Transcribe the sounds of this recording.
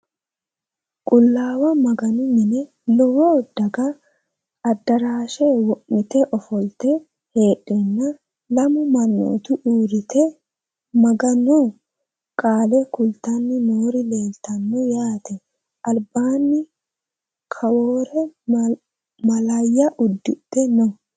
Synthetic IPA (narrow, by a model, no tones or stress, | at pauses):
kʼʊlːaːwɐmɐɡɐnʊmɪnɛ | lɔwoːd̪ɐɡɐ | ɐd̪ːɐɾaːʃewɔʔɪt̪ɛʔɔfɔlt̪ɛ | heːᶑɛnːɐ | lɐmʊmɐnːo̰ːt̪ʊʔuːɾɪt̪ɛ | mɐɡɐnɔ | kʼaːlɛkʊlt̪ɐnːɪnoːɾɪle̞ːlt̪ɐnːɔjaːt̪ɛ | ʔɐlbaːnːɪ | kʰɐwoːɾɛ | mɐlɐjːɐʔʊd̪ːɪɗɛnɔ